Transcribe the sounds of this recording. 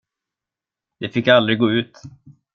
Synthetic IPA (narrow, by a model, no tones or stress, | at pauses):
d̪ɛfɪkːald̪ɾɪɡoːʉ̟ːt̪